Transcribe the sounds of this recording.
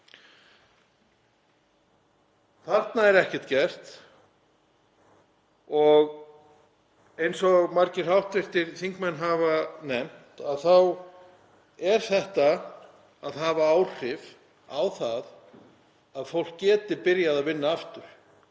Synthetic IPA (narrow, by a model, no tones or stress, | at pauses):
θaɾt̪naɛɾɛhcɛ̥ht̪cɛr̥t̪ | ɔɣ | ejnsɔɣmaɾcɪr̥hawht̪vɪst̪ɪɾθiŋkmɛnːɦavanɛm̥t̪aðθaw | ɛɾ̥θɛht̪aː | ðɦaːvaaːwr̥ɪv | awθað | aðfowl̥kːɛːt̪ɪɾpɪɾjaðaðvɪnːaaft̪ʏɾ̥